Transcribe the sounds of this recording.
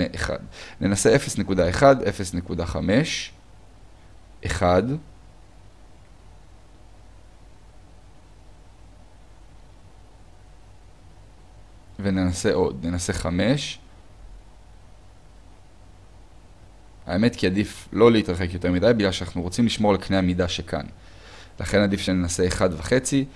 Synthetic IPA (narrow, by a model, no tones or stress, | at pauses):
eʔeχa̰dne̞nase̞ʔe̞fe̞snekudae̞χade̞fe̞sne̞kudaχame̞ʃ | ʔeχad | ve̞nenase̞ʔo̞dne̞nase̞χame̞ʃ | a̰eme̞tkiadiflo̞leitʁaχe̞kjo̞t̪e̞midajbiɡlalʃeanaχnuʁo̞t͡simliʃmo̞ʁalknehamidaʃekʰa̰n | la̰χe̞nadifʃenenase̞ːχadvaχe̞t͡si